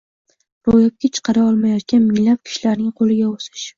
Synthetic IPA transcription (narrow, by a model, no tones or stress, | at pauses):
ɾojap̚kʲat͡ʃʰɨ̥qʰɑɾaɒlˠmajɒt̪̚kʲanmɪŋlap̚kʲʰɪ̥ʃlaɾnɪŋqʰolɪɡʲaosɪ̥ʃ